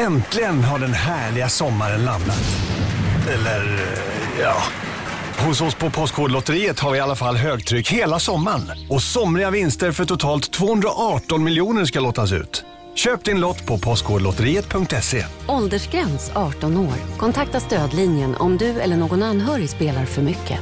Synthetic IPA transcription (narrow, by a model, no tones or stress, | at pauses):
ɛnt̪ʰlɪɡənɦaɖɛnɦæːɭɪɡasɔmːaɾənlamna̰t̪ | ɛlːəɾ | jɑː | hʊshʊspʰɔpʰɔskhoːd̪lɔt̪əɾiːət̪haɾvɪalːafalːɦøːɡt̪ʰɾʏkheːlasɔmːaɳɔsɔmɾɪɡavɪnst̪əɾfœʈʰʊt̪ʰɑːlt̪ʰːvoːhɵnd̪ɾaʔɑːʈɔnmɪljuːnəʂ̬kaloːt̪ːas̬ʉ̟̰ːt̪ | ɕøːp̚d̪ɪnlɔt̪ːpʰɔpʰɔstkhoːd̪əlɔt̪əɾiːət̪̚pʰɵŋkt̪ɛsḛːɔld̪əʂɡɾɛnsɑːʈɔnoːɾkʰɔnt̪ʰak̚t̪ast̪øːd̪linjənʔɔ̰md̪ɵɛ̰lːəɳoːɡɔnanɦœːɾɪspeːlaɾfœɾmʏkʰːə̰